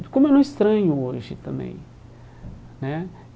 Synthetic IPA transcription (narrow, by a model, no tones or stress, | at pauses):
kõmɛnõist̪ɾɐ̃ɲuoʒit̪ɐ̃mḛ̃j̃ | nɛ̃